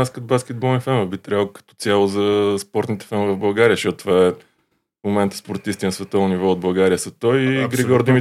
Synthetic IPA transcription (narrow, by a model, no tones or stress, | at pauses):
askɛd̪̚baskɛd̪̚bɔlˠnifɛnvəvbit̪ɾʲɛbkə̥t̪ɔ̥t̪sʲjalˠʊzɐspɔɾt̪nit̪ɛ̥fɛnvɐvbɐlˠɡaɾiəʃɔt̪t̪ːvaɛ | mʊmɛnt̪ə̥spoɾt̪ist̪inɐsvɛt̪ɔvnʊnivɔod̪bɐlˠɡaɾiəsɐt̪ɔjɡɾiɡɔɾd̪imi